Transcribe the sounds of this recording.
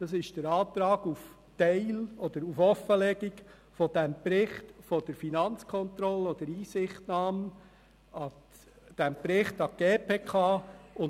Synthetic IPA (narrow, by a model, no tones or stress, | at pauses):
d̥ɑsɪʃd̥əɾɑːt̪ɾɑːɡuf | tɛɪlɔd̥̪əɾufɔfəlɛɡik | fɔdɛmpɾɪχtfɔd̥əɾfinɑnt͡skʰɔnt̪ɾɔlːəɔd̥əɾiːsɪχtnɑːm | ɑ | d̥æmpɾɪχtɑɡ̥eːpʰeːkʰɑːʊn